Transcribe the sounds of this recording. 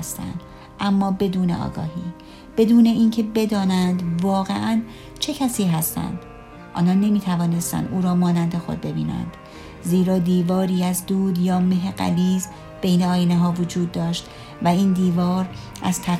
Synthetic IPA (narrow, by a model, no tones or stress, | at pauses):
st̪æ̰nd̪̥ | ʔæmːɒːbe̞d̪uːnḛʔɒ̰ːɡɒ̰ːɦiː | b̥e̞d̪uːne̞ʔiːncʰe̞be̞d̪ɒːnænd̪vɒːɣe̞ʔæn | t͡ʃʰe̞cʰæsiːɦæst̪æ̰nd̪̥ | ʔɒ̰ːnɒːnːe̞miːt̪ʰævɒːne̞st̪æ̰nd̪ʔuːɾɒːmɒːnænd̪e̞xod̪̚be̞biːnæ̰nd̪̥ | ziːɾɒːd̪iːvɒːɾiːæzd̪uːd̪jɒːmeɦeɢæ̰liːz | b̥e̞jneɒːjineɦɒːvod͡ʒuːd̪̚ːɒːʃt̪ | væiːnd̪iːvɒːɾ | ʔæ̰z̥t̪ʰæ